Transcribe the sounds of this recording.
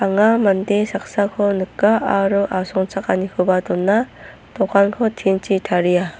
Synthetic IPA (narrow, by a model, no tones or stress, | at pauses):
aŋamandesak̚sakʰɔnɯkːaʔaɾuʔasɔŋt͡ʃak̚anikʰɯbatɔnːa | tɔkʰankʰɔtʰint͡ʃʰitʰaɾija